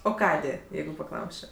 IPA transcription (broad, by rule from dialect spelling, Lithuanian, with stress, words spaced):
oː ˈkɑːdʲeː ˈjɛɪɡʊ pɐˈklˠɐʊsʲt͡ʃʲoː